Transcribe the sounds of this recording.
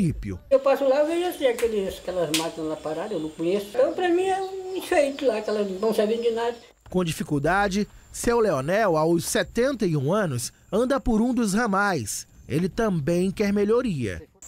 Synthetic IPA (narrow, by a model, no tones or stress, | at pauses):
ipjʊ̰ewpasʊlaewveʒʊasĩakelɪskɛlɐzmat̪ɐ̃w̃lapaɾad̪ɐewnɐ̃kõɲesʊt̪ɐ̃w̃pɾɐmĩɛũĩfejt̪ʊlakɛlɐnɐ̃w̃savĩnʊd͡ʒɪnad̪ɐ | kõd͡ʒifikuwd̪ad͡ʒɪsewleonɛwawsɛt̪ẽnt̪ɐiũɐ̃nʊs | ɐ̃nd̪ɐpʊɾũd̪ʊzhɐmajselɪt̪ɐ̃mbẽj̃kɛɾmeʎoɾiɐ̰